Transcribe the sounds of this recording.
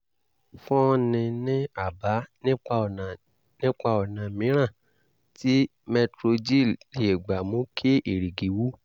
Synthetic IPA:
fɔ̃˦nĩ˧nĩ˦a˦˨ba˨˦nĩ˦k͡pa˧ɔ˨n˨ | nĩ˦k͡pa˧ɔ˨nã˨mĩ˨˦ɾ̃ã˦˨ | ti˦ | mɛ˧tɾo˧d͡ʒi˦˨li˨e˨ɡ͡ba˨mũ˨˦kʰe˦ʔe˨ɾi˨ɡi˨˦wu˦

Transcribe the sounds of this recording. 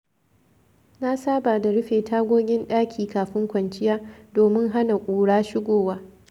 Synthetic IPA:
na˦saː˦baː˨da˨ɽʊ˦ɸeː˨tʰaː˦ɡʷoː˦ɡʲɪ˦nɗaː˦kʲʰiː˨kaː˨ɸɪ˦ŋkʷɐ˨nt͡ʃɪ˦jaː˦doː˨mɪ˦ŋɦa˦na˨kʷʼuː˨ɽaː˦ʃɪ˦ɡʷoː˨waː˦

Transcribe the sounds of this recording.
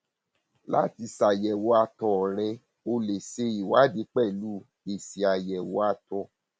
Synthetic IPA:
la̰˦ti˧sa˨jɛ˨wo˧˦a˧tɔ˧˦˨ɾɛ˧ | o˧le˨se˧i˨wa˨˦di˨˦k͡pɛ˦˨lu˦˨ | e˨si˨a˨jɛ˨wɔ˧˦a˧tɔ˧

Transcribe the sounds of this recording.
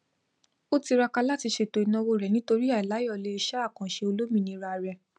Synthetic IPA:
o˦ti˧ɾa˧ka˧la˦ti˧ʃe˨to˨i˨nã˧wo˧˨ɾɛ˨nĩ˦to˧ɾi˦a˦˨i˨la˨˦jɔ˦˨le˧i˧ʃɛ˦a˦˨kã˨ʃe˧o˧lo˦mĩ˦˧˨nĩ˧ɾa˧˨ɾɛ˨

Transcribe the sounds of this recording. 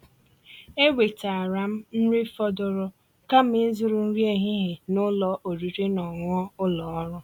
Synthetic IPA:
e˦wʷe˨ta˨a˨ɾa˨m̩˦n̩˦ɾɪ˦fɔ˦dʊ˨ɾʊ˦ | ka˦m̩˦ɪ˦zʊ˦ɾʊ˨n̩˦ɾi˦e˦ɦɪ˦ɦɪ˨nʊ˦lɔ˨ʔo˨ɾu˨ɾe˦nɔ˨ŋʷ˦ɔ˦ʊ˦lɔ˨ɔ˦ɾʊ˦

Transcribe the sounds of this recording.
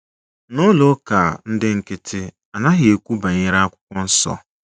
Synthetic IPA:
nʊ˦lo˦ka˨n̩˦dɪ˦ŋ̩˨kɪ˦tʰɪ˦ | a˨na˦ɦɪ˨˦e˨kʷu˦ba˨ɲɪ˦ɾa˦a˦kʷʊ̥˦kʷɔ˦n̩˦sɔ̰˦

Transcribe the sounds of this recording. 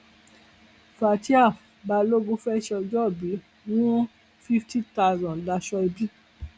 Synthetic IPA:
fa˨ti˦a˦˨ba˧lo˦ɡũ˧˦fɛ˦ʃɛ˧ɔ˧d͡ʒɔ˦˨bi˨˦ | wũ˦ | fi˦fti˦ta˧˦˨zɔ̃˨da˧ʃɔ˧i˧bi˦

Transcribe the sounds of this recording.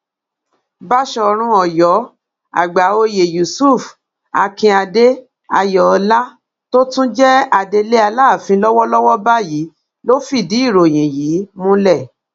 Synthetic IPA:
ba˦ʃɔ˧ɾ̃ũ˧ɔ˨jɔ˨˦ | a̰˨ɡ͡ba˨˦o˧je˨ju˨su˦f | a˧kĩ˧a˧de˦ | a˧jɔ˨˧la˦ | to˦tũ˦d͡ʒɛ˦a˧de˧le˦a˧laː˦˨fĩ˧˦lɔ˦wɔ˦lɔ˦wɔ˦ba˦ji˨˦ | lo˦fi˦˨di˨˦i˦˨ɾo˨j̃ĩ˨jiː˨˦mũ˦lɛ˦˨

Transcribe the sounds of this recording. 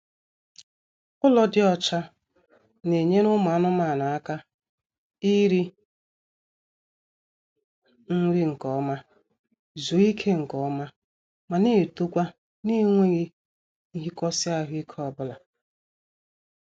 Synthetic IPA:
ʊ˦lɔ˨dɪ˦ɔ˨t͡ʃa˦ | ne˨ɲe˦nʊ˦m˨a˦nʊ˦ma˨na˨a˦ka˦ | i˦ɾi˦ | ŋ̩˦ɾi˦ŋ̩˨kɔ˨˦ma˦ | zo˨˦i˦kʰe˦ŋ̩˨kɔ˨˦ma˦ | ma˨ne˦˨tu˦kʷa˦ | ni˦ŋʷe˦ɣi˦ | i˦ɦi˦kɔ˦sɪ˦a˦ɦʊ˦i˦kʰɔ˨bʊ˦la˨

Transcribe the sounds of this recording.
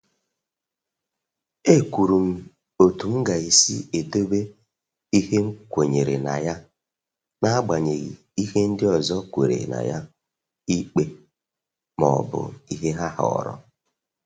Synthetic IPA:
e˦kʷu˨ɾu˨m̩˦ | o˨tu˨m̩˦ɡa˨i˨si˦e˨to˦be˦ | i˦ɦe˦ŋ̩˦kʷo˨ɲe˨ɾe˨na̰˨ja˦ | na˦a˦ɡ͡ba˨ɲe˨ɣḭ˨ | i˦he˦n̩˦dɪ˦ɔ˨zɔ˦kʷe˨ɾḛ˨na̰˨ja˦ | i˦k͡pe˦ | mɔ̰˨bʊ̰˨i˦ɦe˦ɦa˦ɦɔ̰˨ɔ̰˨ɾɔ̰˦

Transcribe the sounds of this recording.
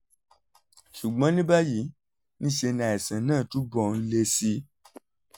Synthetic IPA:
ʃu˨ɡ͡bɔ̃˨˦nĩ˦ba˦ji˨˦ | nĩ˦ʃe˧nã˨ɛ˨sã˨nãː˦˨tu˨˦bɔ˨n̩˦le˧si˧

